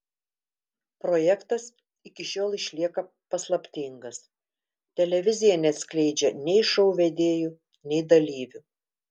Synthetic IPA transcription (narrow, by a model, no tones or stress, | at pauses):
pɾoːjɛkt̪ɐs | ɪkʲɪʃʲoːlˠɪʃʲlʲiɛkɐ | pɐslˠɐpʲt̪ʲɪŋɡɐs | t̪ʲɛlʲɛʋʲɪzʲɪjɛnʲɛt̪ʲsʲklʲɛɪd͡ʒʲɛnʲɛɪʃɐʊʋʲɛd̪ʲeːju | nʲɛɪd̪ɐlʲiːʋʲʊ